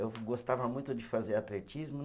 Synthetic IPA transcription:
ewɡost̪avɐmũj̃t̪ʊd͡ʒɪfazeɾat̪let͡ʃizmʊn

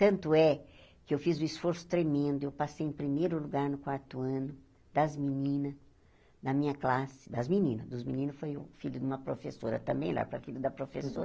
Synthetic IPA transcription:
t̪ɐ̃nt̪ʊɛkɪewfizʊ̃isfoɾsʊ̥t̪ɾemẽnd̪ʊewpasejẽpɾimejɾʊluɡaɾnʊkwaɾt̪ʊɐ̃nʊ | d̪̥ɐzminĩnɐ | d̪ɐmĩɲɐklasɪ̥d̪ɐzminĩnɐzd̪ʊzminĩnʊsfojʊ̰fiʎʊd̪ũmɐpɾofesoɾɐt̪ɐ̃mbẽj̰̃la̰ɾpɾɐfilʊd̪ɐpɾofesoɾɐ

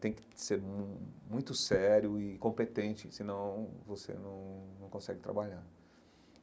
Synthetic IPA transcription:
t̪ẽj̃kɪ̥seɾmumũj̃t̪ʊsɛɾjʊɪkõmpet̪ẽt͡ʃɪsɪnɐ̃w̃vosḛnɐ̃w̃nɐ̃w̃kõsɛɡɪt̪ɾa̰baʎaɾ

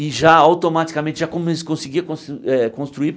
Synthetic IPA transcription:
ɪʒaawt̪omat͡ʃ̪i̥kɐmẽnt͡ʃɪʒakõme̥kõsɪɡiɐkõsɛkõst̪ɾuiɾ

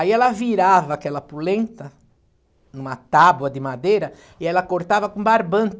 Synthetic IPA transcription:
aiɛlɐviɾavɐːkɛlɐpulẽnt̪ɐ | nũmɐt̪abwɐd̪ɪmad̪ejɾɐ | iɛlɐkoɾt̪avɐkõbaɾbɐ̃nt̪

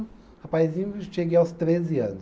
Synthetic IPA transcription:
ɐpajzĩɲʊʃeɡeawst̪ɾeziɐ̰̃nʊ

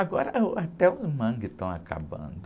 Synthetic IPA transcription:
aɡɔɾɐʔat̪ɛʊzmɐ̃ɡɪt̪ɐ̃w̃a̰kʰa̰bɐ̰̃nd̪ʊ

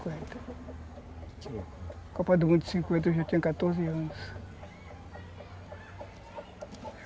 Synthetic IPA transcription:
kwẽnt̪ɐ | kopɐd̪ʊmũd̪sĩŋkwẽnt̪ɐewʒat̪ẽɲukat̪oɾziɐ̃nʊs

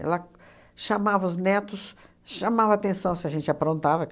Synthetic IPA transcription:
ɛ̰lɐ | ʃamavɐʊznɛt̪ʊs | ʃamavat̪ẽsɐ̃w̃sɪɐʒẽnt͡ʃapɾõnt̪avɐ

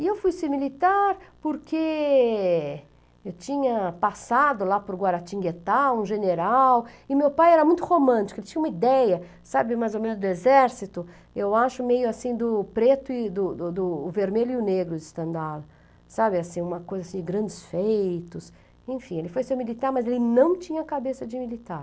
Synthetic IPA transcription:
ɪewfujsemilit̪aɾpoɾkʰe | ewt͡ʃĩɲɐpasad̪ʊlapʊɾɡwaɾat͡ʃĩɡet̪aũʒeneɾawɪmewpajɛɾɐmũj̃t̪ʊhomɐ̃t͡ʃi̥kʊelɪt͡ʃĩɐũmɐid̪ɛjɐ | sabɪmajzowmẽnʊzd̪ʊezɛɾsit̪ʊ | ewaʃʊmejʊasĩd̪ʊpɾet̪ʊɪd̪ʊd̪ʊd̪ʊːveɾmeljʊʊneɡɾʊɪst̪ɐ̃nd̪alɐ | sabɪasĩũmɐkojzasĩd͡ʒɪɡɾɐ̃nd͡ʒɪsfejjt̪ʊs | ẽfĩelɪfojsewmilit̪aɾmɐzelɪnɐ̃w̃t͡ʃĩɲɐkabesɐd͡ʒɪmilit̪aɾ

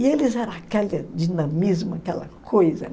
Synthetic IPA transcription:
ielɪzɛɾɐ̃akɛlɐd͡ʒinɐ̃mizmʊakɛlɐ̰kʰojzɐ̰

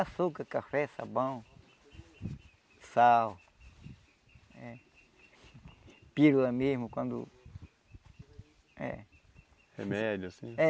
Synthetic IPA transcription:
asukakafesa̰bãũ | saw | e | piɾulamismõkʷãnd̪ṵ | ḛ | hḛmed̪josĩe

